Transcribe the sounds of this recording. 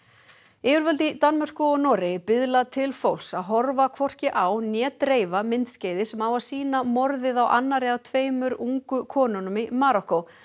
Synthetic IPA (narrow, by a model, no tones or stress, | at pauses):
ɪːvʏɾvœlt̪ɪt̪anmar̥kʏɔɣnɔːɾejpɪðlat̪ʰɪlfowlsaðɦɔɾvakʰvɔr̥cɪʔaːwnjɛːt̪ɾeːjvamɪnt̪sceːjðɪsɛmawaðsiːnamɔɾðɪðawʔa̰nːaɾɪawt̪ʰveːjmʏɾuŋkʏkʰɔːnɔnʏmɪmaːɾɔko